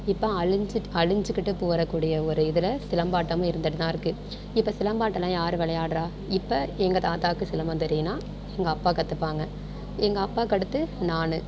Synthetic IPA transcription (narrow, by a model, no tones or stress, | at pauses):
ɪpːɐɐɭɪɲd͡ʒɐɭɪɲd͡ʒɯkːɪʈːɯpoːɾɐkːuːɽɪjɐɔɾɯɪðɪlɐsɪlɐmbaːʈːɐmʊ̃ɪɾɯnd̪ɐʈːɯt̪ːãːɪɾɯkːɯ | ɪpːɐsɪlɐmbaːʈːɐlːãːjaːɾɯʋɪɭɐjaːɽɾaː | ɪpːɐɛŋɡɐt̪aːt̪aːkːɯsɪlɐmbɐnt̪ɛɾɪjɐnaː | ɛŋɡɐːpːaːkɐt̪ːɯpːaːŋɡɐ | ɛŋɡɐːpːaːkɐɽɯt̪ːɯnaːnɯ